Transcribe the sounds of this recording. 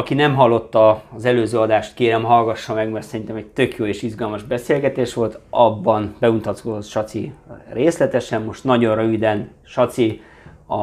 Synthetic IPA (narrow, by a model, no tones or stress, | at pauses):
ɒkinɛmɦɒlːo̞t̪ːɒːzɛløːzøːɒd̪aːʃt̪keːɾɛmɦɒlɡɒʃːɒmɛɡmɛrt̪sɛɾint̪ɛmɛɟ̚t̪ø̞kjoːeːʃizɡɒlmɒʒbɛseːlɡɛt̪eːʃʋo̞lt̪ɒbːɒnbɛunt̪ɒt̪kod̪ot̪ʃɒt̪sireːslɛt̪ɛʃɛmːo̞ʃt̪nɒɟo̞nrøvid̪ɛn | ʃɒt̪si | ɒ